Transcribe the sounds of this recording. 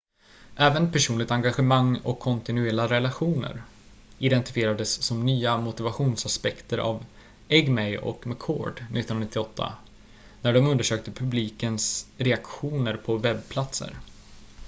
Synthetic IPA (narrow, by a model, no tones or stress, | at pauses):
ʔɛːvənpʰæʂuːnlɪɡ̚t̪aŋɡaɧəmaŋːɔ̰kʰːɔnt̪ɪnʉɛːlaɾɛlaɧuːnə̰ɾ | ɪd̪ɛnt̪ɪ̥fɪeːɾad̪əsːɔmnyːamʊt̪ɪvaɧuːnsaspɛkt̪əɾʔa̰v | ɛɡmɛjɔ̰kmakʰːo̰ːɖnɪt̪ːnnɾanɪt̪ːɪɔt̪ʰːa̰ | næɖɔmɵnd̪əʂøːk̚t̪əpʰɵbliːkənsɾɛakɧuːnəɾpʰɔvɛbːpʰlat̪sə̰ɾ